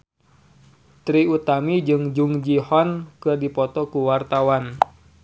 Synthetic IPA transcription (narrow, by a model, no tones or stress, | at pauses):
t̪ɾiut̪amid͡ʒɨŋd͡ʒuŋd͡ʒihɔnkɨrdipɔt̪ɔkuwart̪awan